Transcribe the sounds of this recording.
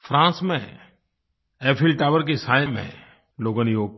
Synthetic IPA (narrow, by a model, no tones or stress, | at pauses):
fʰɾãːsmẽ | eːpʰɪlʈaːʋəɾk̬esaːjmḛ̃ | loːɡõnijoːɡ̚